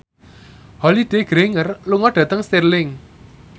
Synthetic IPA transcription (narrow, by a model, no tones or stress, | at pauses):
hɔlid̥e̤ɡ̥ɾeŋərluŋɔɖ̥ä̤t̪əŋst̪irlɪŋ